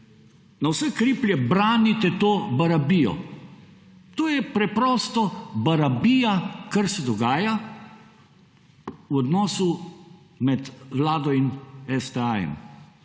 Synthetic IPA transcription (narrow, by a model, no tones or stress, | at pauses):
nawsɛkɾiplʲjɛbɾaːnit̪ɛt̪oːbaɾabiːjɔ̰ | t̪oːjɛpɾɛpɾɔːst̪ɔbaɾabiːjakaɾsɛd̪ɔɡaːja | wɔd̪nɔːsu | mɛt̪ʋlaːd̪ɔinɛst̪ɛajɛ̰m